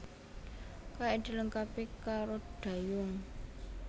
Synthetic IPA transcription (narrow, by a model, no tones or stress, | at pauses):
kaid̪̥i̤ləŋkapikaɾod̪̥a̤jʊŋ